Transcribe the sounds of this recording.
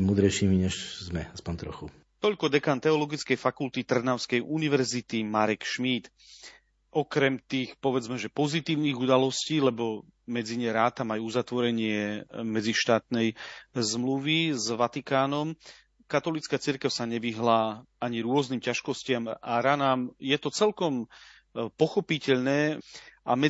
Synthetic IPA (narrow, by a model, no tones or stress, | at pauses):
muːd̪ɾɛjʃiːmiɲɛʃzmɛaspɔnt̪ɾɔxu | t̪ɔʎkɔd̪ɛkaːnt̪ɛɔlɔɡit͡skɛjfakult̪it̪r̩naʊskɛjʔuniʋɛɾzit̪imaɾɛkʃmiːt̪ | ʔɔkɾɛmt̪iːxpɔʋɛd͡zmɛʒɛpɔzit̪iːʊniːɣud̪alɔsciːlɛbɔ | mɛd͡ziɲɛɾaːt̪amajuuzat̪ʋɔɾɛɲɪɛmɛd͡ziʃt̪aːt̪nɛjzmluʋizʋat̪ikaːnɔm | kat̪ɔlit͡skaːt͡siɾkɛʊsaɲɛʋiɦlaː | aɲiɾʊɔzniːmcaʃkɔscɪamaɾanaːmjɛt̪ɔt͡sɛlkɔm | pɔxɔpicɛʎnɛːʔa̰mɛ